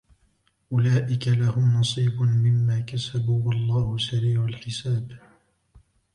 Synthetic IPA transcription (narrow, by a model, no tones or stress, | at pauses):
ʔʊlaːʔɪkalahʊmnɑsˤiːbʊnmɪmːaːkasabuːwɑlˤːɑːhʊsaɾiːʕʊlħɪsaːb